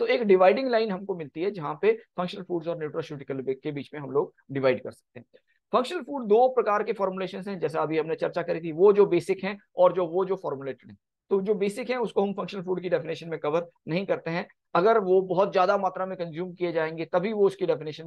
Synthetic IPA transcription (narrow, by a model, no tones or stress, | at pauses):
t̪oeːkɖɪʋaːɪɖɪ̃ŋɡlaːɪnɦɐmkomɪlt̪iɦɛd͡ʒɐɦãpefɐ̃ŋkʃənəlfuːɖzɔːɾnuːʈɾoʃuːʈɪkəlbkebiːt͡ʃmẽɦɐmloːɡ̚ | ɖɪʋaːɪɖkɐ̰ɾsɐ̥k̚t̪eɦɛ̃ː | fɐ̃ŋkʃənəlfuːɖd̪oːpɾɐkaːɾkefɔːɾmuleːʃənzɦɛ̃d͡ʒɛːs̬eɐbʱiɦɐmnet͡ʃɐɾt͡ʃakɐɾit̪ʰiʋod͡ʒoːbeːsɪkɦɛ̃ɔːɾd͡ʒoːʋod͡ʒoːfɔːɾmuleːʈəɽɦɛ̃ | t̪oːd͡ʒoːbeːsɪkɦɛ̃ʊskoɦɐmfɐ̃ŋkʃənəlfuːɖkiɖɛfɪnɪːʃənmẽkɐʋəɾnɐɦĩkɐɾt̪eɦɛ̃ | ɐɡəɾʋobɔɦʊt̪zjaːd̪amaːt̪ɾamẽkɐ̃nzjuːmkied͡ʒaːẽːŋɡet̪ɐbʱiʋoʊskiɖɛfɪnɪːʃən